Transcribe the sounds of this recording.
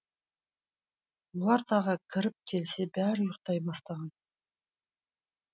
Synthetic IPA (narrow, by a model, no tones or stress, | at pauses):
molˠɑɾt̪ʰɑʁəkʲʰɪɾɪp̚kʲʰe̞lse̞bæɾɪjʊqt̪ɑjbɑst̪ɑʁɑn